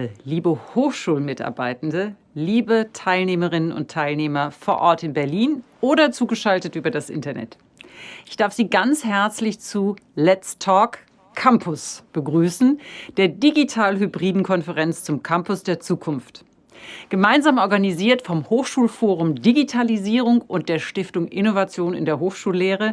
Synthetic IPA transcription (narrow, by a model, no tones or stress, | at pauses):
əliːbəhoːxʃuːlmɪtʔa̰ɐbaɪtn̩də | liːbətʰaɪlneːməʁɪnənʊ̰ntʰaɪlneːmɐfoːɐʔɔɐtɪnbɛɐliːnʔoːɾɐt͡suːɡəʃaltətʔyːbɐdasʔɪ̰ntɐnʔɛ̰t | ʔɪçd̥aɐfz̥iːɡant͡shɛɐt͡slɪçt͡sulɛt͡stʰɔːk | kʰːampʰʊsb̥əɡʁyːsn̩d̥eːɐdiɡitʰaːlɦybʁiːdn̩kʰɔnfəʁɛnt͡st͡sʊmkʰampʊsd̥eːɐt͡suːkʰʊnft | ɡ̥əmaɪnzaːmʔɔɐɡaniziːɐtfɔmhoːxʃuːlfoːʁʊmdiɡitʰaliziːʁ̞ʊŋʔʊnt̚d̥eːɐʃtɪftʊŋʔɪnovat͡sjoːnɪ̰ndeːɐɦoːxʃuːlːeːʁə